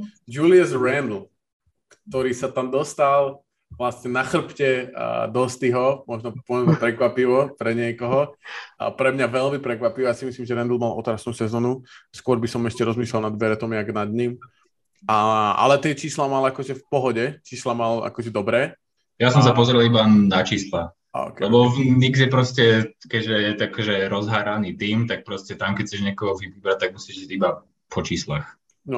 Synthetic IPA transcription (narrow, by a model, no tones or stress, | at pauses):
d͡ʒuliɛzɾɛnd̪l̩ | kt̪ɔɾiːsat̪amd̪ɔst̪alˠ | ʋlasɲɛnaxr̩pcɛ̰d̪ɔst̪iɦɔmɔʒnɔpɔʋɛmɛpɾɛkʋapiʋɔpɾɛɲɪɛkɔɦɔ̰ | pɾɛmɲaʋɛlmipɾɛkʋapiʋɔjasimislimʒɛɾɛnd̪l̩ˠmalʔɔ̰t̪ɾasnuːsɛzɔːnuskʊɔɾbisɔmɛʃcɛɾɔzmiːslɛlnad̪ʋɛɾɛt̪ɔmɪaɡnad̪ɲim | aa̰lɛt̪ɪɛt͡ʃiːslamalakɔʒɛfpɔɦɔɟɛt͡ʃiːslamala̰kɔʒɛd̪ɔbɾɛː | jasɔmsapɔzɾilˠibanat͡ʃiːsla | ɔ̰kɛlɛbɔvniɡzjɛpɾɔscɛkɛɟʒɛjɛt̪akʒɛɾɔzɦaːɾaniːt̪iːmt̪ak̚pɾɔscɛt̪amkɛc̚t͡sɛʒɲɛkɔɦɔʋiʋiːbɾat̪aɡ̚musiʒiɟiba | pʰɔt͡ʃiːslax | nɔ